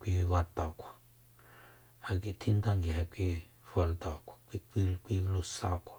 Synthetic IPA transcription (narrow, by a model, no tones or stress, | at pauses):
kʷiwat̪akʷḁ | hakit̪ʰint̪aŋɡiɦakʷi | falt̪akʷḁkʷikikʷilusakʷḁ